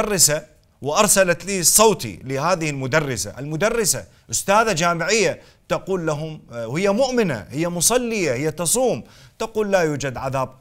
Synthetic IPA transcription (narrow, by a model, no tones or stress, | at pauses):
rːɪsa | wɪʔɑɾˤsalat̪liːsˤːowt̪ḭlɪhaːðɪhɪlmʊd̪ɑrˤːɪsa̰ʔalmʊd̪ɑrˤːɪsa̰ | ʔʊst̪aːðad͡ʒaːmɪʕɪjːa | t̪aquːlːaɦʊmhɪjːamʊʔmɪna̰hɪjːamʊsˤɑlːɪjahɪjːat̪ɑsˤuːmt̪ɑquːlːaːjuːd͡ʒad̪ʕaðaːb̚